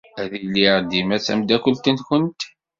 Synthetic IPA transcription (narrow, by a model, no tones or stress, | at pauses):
æðilːiɾd̪imæt͡sæ̰md̪ækəlt̪ənkənt̪